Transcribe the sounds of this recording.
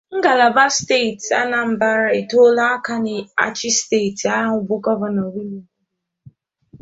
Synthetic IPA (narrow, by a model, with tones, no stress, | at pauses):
ŋ̩˦ɡa˨la˨ba˦ste˦˨ta̰˦na˨m̩˨ba˦ɾa˦e˨to˦la˦a˦ka˦nɪ˨a̰˨t͡ʃɪ˦ste˦˨ta˦a˦ŋʊ˨bʊ˦ɡɔ˦va˨nɔ˨wi˦li˦˨